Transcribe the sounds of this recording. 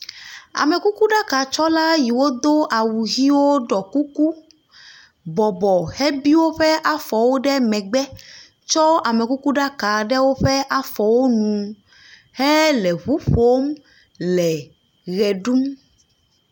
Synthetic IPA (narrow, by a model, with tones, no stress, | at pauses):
a̰˨mɛ˨ku˦ku˦ɖa˦ka˨t͡ʃɔ˦la˦ji˨wo˦d̪o˦ʔa˨wu˨ɣi˦wo˦ɖɔ˨ku˦ku˦ | bɔ˨bɔ˨hɛ˦bi˦wo˦ɸɛ˦ʔa˦fɔ˨wo˦ɖɛ˦mɛ̃˨ɡ͡bɛ˦ | t͡ʃɔ˦a˨mɛ˨ku˦ku˦ɖa˦ka˨ɖɛ˦wo˦ɸɛ˦ʔa˦fɔ˨wo˦nũ˨ | hɛ˦lɛ˨ɸu˦ɸo˦m | lɛ˨ | ɣɛ˨ɖu˦m